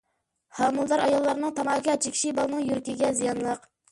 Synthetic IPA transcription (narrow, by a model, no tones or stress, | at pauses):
hɑːmulˠd̪ɑɾɑjɑlˠːɑɾnɨŋt̪ʰɑmɑkʲʰɑɛt͡ʃʰikʲʰi̥ʃibɑlˠɨnɨŋjyɾkʲiɡʲɛzijɑnlˠəq